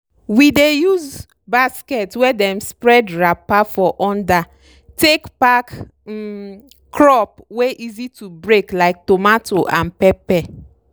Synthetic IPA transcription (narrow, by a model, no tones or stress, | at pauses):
widejuz | baskɛtwɛdɛ̃mspɹɛdɹapafɔʔɔ̃nda | tekpak | kɹɔpweʔizitubɹeklaɪk̚tomatoʔãnpɛpɛ